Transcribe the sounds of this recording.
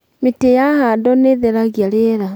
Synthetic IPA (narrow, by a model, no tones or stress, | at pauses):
metejahadɔneðeɾaɣjaɾeɾa